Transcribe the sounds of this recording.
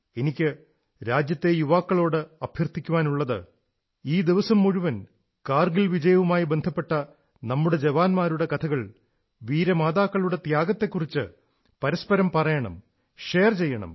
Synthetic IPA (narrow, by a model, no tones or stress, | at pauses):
e̞nikʲːɨ | ɾaːd͡ʑjɐt̪ːe̞juʋaːkːɐɭo̞ːɽɨɐb̥ʱjɐrt̪ʰikʲːuʋaːnuɭːɐðɨ̰ | iːd̪iʋɐsɐmːuɻuʋɐn | kaːrɡilʋid͡ʑɐjɐʋumaːjibe̞nd̪ʱɐpːe̞ʈːɐ | nɐmːuɽe̞d͡ʑeʋaːnmaːɾuɽe̞kɐt̪ʰɐɣɐɭ | ʋiːɾɐmaːd̪aːkːɐɭuɽe̞t̪jaːɡɐt̪ːe̞kːurit͡ɕːɨ | pɐɾɐspɐɾɐmpɐrɐjɐɳɐ̰m | ʂeːrt͡ɕe̞jːɐɳɐ̰m